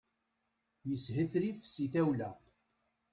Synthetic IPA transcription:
jəshəθɾifsiθæwlæ

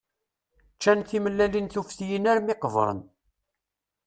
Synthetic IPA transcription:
t͡ʃːænθiməlːælinθufθijənæɾmɪqv̰ɾˤə̰n

